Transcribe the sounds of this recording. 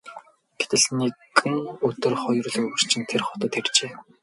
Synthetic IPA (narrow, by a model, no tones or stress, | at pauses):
ɡ̥e̥t̪ɘ̆ɮnekɘ̆ŋɵt̪ɵ̆rχɔjɞ̆rɮɵɣɵ̆r̥t͡ɕʰɪ̆nt̪ʰerχɔt̪ə̆t̪xert͡ɕeː